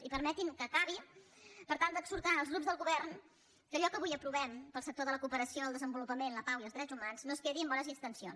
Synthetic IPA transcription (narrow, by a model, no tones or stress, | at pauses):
ipəɾmɛt̪iŋkəːkaβ̞ipəɾt̪alˠd̪əkzuɾt̪anəlˠzɣɾupzðəlˠɣuβɛɾn | kəʎɔkəβujəpɾuβɛmpəlˠsək̚t̪oðələkuːpəɾəsioəlˠd̪əzəmbulupəmenləpawiəlˠzðɾɛd͡zumanznoskeðiəmbɔnəzinst̪ənsions